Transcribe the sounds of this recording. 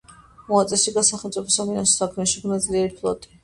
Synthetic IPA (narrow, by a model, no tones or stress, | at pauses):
mɔat̪sʼɛʃiɡasaχɛlmt̪sʼipʰɔsaminasɔ̥sakʰmɛʃiɡnad̪zliɛɾipʰlˠɔ̰t̪ʼi̥